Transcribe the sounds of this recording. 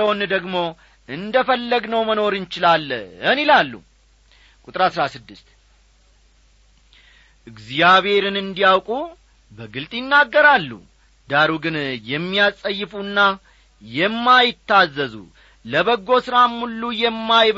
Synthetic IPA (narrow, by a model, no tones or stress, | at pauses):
əwond̪əɡmo̞ | ʔɨnd̪əfəlːəɡnəwməno̞ɾɨnt͡ʃɪlalːɨnilalːṵ | kʼut̪ʼɨɾasɾasɨd̪ːɨst̪ | ʔɨɡzijaβhe̞ɾɨnɨnd̪ijawkʼu | bəɡɨlt̪ʼjɪnːaɡːəɾalːṵ | d̪aɾuɡɨnjɛmːijasʼəjːɪfunːa | jɛmːajɪt̪ʰːazːəzṵ | ləβəɡːo̞sɨɾamːulːujɛmːajb